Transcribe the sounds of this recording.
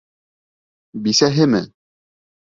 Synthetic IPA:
bisæɦɘmɘ̰

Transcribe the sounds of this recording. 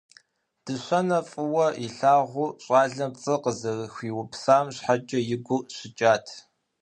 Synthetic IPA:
d̥ɨɕʷɐnɐfʼɨwɐiɬaːʁʷʊːɕʼaːɮɐmt͡sʼɨqəzɐrxʷiːwʊpʰsaːmɕħat͡ʃʼɐjɪɡʷʊɕɪt͡ʃʼaːtʰ

